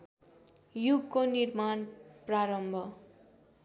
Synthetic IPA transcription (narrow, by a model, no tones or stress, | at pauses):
juɡkonirmanpraɾʌmbʱʌ